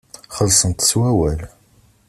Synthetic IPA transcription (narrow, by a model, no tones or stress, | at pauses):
χəlsˤənt̪swæwæl